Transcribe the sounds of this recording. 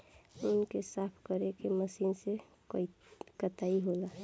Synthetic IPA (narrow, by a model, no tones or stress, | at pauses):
ʊnkesapʰkəɾekeməsinse | kət̪aiɦola